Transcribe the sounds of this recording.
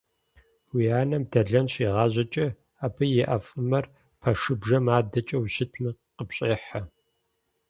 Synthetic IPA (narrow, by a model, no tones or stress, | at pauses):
wijaːnɐmdʰɐɮɐnɕiːʁɑːʑɐt͡ʃʼɐ | aːbɨjɛʔɐfʼɨmɐr | pʰɐʂɨbʐɐmaːdɐt͡ʃʼɐwɕɪtʰmɨqəpɕʼeːħɐ